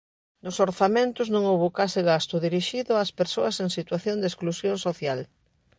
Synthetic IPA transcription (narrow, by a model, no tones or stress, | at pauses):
nʊsoɾθamẽnt̪ʊznõŋowβokasɪɣast̪ʊðiɾiʃiðʊaspeɾsoɐseŋsit̪waθjond̪esklusjõŋsoθjal